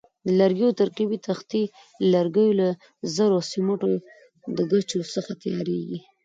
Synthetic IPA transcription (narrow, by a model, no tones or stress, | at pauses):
d̪əlaɾɡiot̪aɾqibit̪axt̪i | laɾɡəjola | zəɾosimoʈo | d̪əɡat͡ʃosəxat̪ajɑɾeɡi